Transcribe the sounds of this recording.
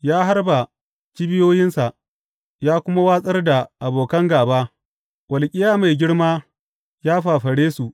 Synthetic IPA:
jaː˦ɦa˦rba˨ | t͡ʃi˦bɪ˦joː˦jɪ˦nsa˨ʔ | jaː˦kʷʊ˦ma˦waː˦sʼɐ˦rda˨ʔa˨boː˨kɐ˦ŋɡaː˨baː˦ | wʔɐ˨lkʲʼɪ˦jaː˦ma˨jɡʲɪ˦ɽmaː˦ | jaː˦ɸaː˨ɸɐ˨ɽeː˦su˨ʔ

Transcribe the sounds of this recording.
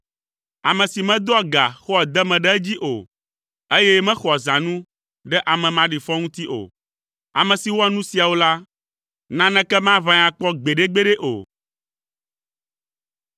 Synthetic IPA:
a˨mɛ̃˨si˨mɛ̃˦d̪o˦a˦ɡa̰˨xɔ˦ɛ˨d̪ɛ˦mɛ̃˨ɖɛ˦ɛ˦d͡ʑi˦ʔo̰˨ | e˦jɛ˦mɛ̃˦xɔ˨zã˨nũ˦ | ɖɛ˦ʔa˨mɛ̃˨mã˦ɖi˨fɔ˦ŋũ˦t̪i˦ʔo̰˨ | a˨mɛ̃˨si˨wo˦a˦nũ˦si˨a˨wo˦la˦ | nã˨nɛ̃˨kɛ˦mã˦vã˨ɲã˨k͡pɔ˦ɡ͡be˨ɖe˦ɡ͡be˦ɖe˦ʔo̰˨

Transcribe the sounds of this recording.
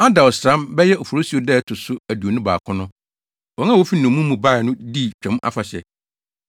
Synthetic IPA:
a˦da˨ɔ˨sɾã˦mbɛ˦jɛ˦ʔo˨fo˨ɾo˦si˨o˦dɛ˦˨tʰʊ˨sʊ˦æ˨du˨o˨nʊ̃˦ba̰ː˨kʰʊ̃˦nʊ̃˦ | wɔ˨˦ŋ˦ã˦˨wo˦fi˦n˨ʊ̃˨˦mũ˦mːũ˨ba˦˨nʊ̃˦di˦˨t͡ɕᶣɛ̃˨˦ma̰˦fa˨ɕɛ̰˨

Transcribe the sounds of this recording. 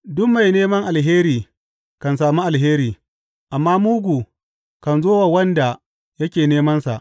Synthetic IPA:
dʊ˦kma˨jneː˦mɐ˦ŋʔa˨lɦeː˦ɾiː˨ | kɐ˨ns̬aː˨muː˦ʔa˨lɦeː˦ɾiː˨ | ʔa˨mːaː˦muː˦ɡʷu˨ | kɐ˨nzoː˦wa˨wɐ˦nda˨ | jɐ˦kʲeː˨neː˦mɐ˦nsa̰˨ʔ

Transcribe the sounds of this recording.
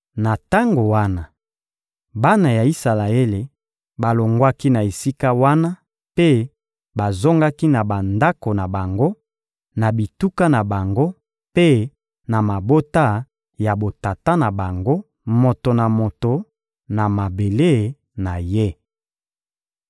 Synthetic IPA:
na˨ta˦ŋɡo˨wa˦na˨ | ba˦na˨ja˨i˦sa˨la˨e˦le˨ | ba˨lo˨ŋɡwa˦ki˦na˨e˨si˦ka˦wa˦na˦ | pe˦ | ba˨zo˦ŋɡa˦ki˦na˨ba˨nda˦ko˨na˨ba˨ŋɡo˦ | na˨bi˨tu˦ka˦na˨ba˨ŋɡo˦ | pe˦ | na˨ma˨bo˦ta˦ | ja˨bo˨ta˨ta˦na˨ba˨ŋɡo˦ | mo˨to˨na˨mo˨to˨ | na˨ma˨be˨le˦˨ | na˨je˦

